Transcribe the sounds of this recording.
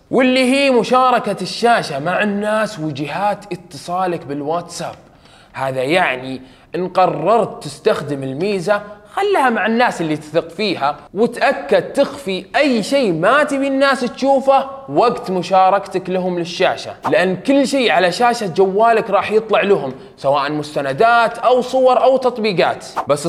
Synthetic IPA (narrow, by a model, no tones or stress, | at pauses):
wɪlːiɦiːmʊʃɑːɾˤɑkaʃːaːʃamaʕanːaːswɪd͡ʒɪɦaːt̪ʔɪt̪ːɨsˤɑːlakbɪlwat̪sa̰ːb̚ | haːðajaʕni | ʔɪnqɑrˤːɑɾˤt̪ːɪst̪axd̪ɪmɪlmiːzaxalːhamaʕanːaːsʔɪlːit̪ɪ̥θɪqfiːɦawɪt̪ʔakːad̪̚t̪ɪxfiʔajʃeːmat̪ɪbiːnːaːst̪ʃuːfawaɡt̪mʊʃɑːɾˤɑkt̪aklaɦʊmlɪʃːaːʃa̰lɪʔanːkʊlːʃeːʕalaʃaːʃad͡ʒawːaːlakɾˤɑːħjɨt̪ˤlɑʕlaɦʊm | sawaːʔanmʊst̪anad̪aːt̪ʔawsˤʊwɑɾˤʔawt̪ɑt̪ˤbiːɡɑ̰ːt̪basː